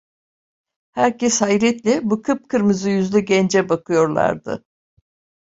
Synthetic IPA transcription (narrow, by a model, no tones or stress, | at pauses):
hæɾcɛshajɾɛt̪lʲɛbukʰɯp̚kʰɯɾmɯzɯjyzlʲɛɟɛnd͡ʒɛbakʰɯjo̞ɾlˠa̰ɾd̪ɯ̰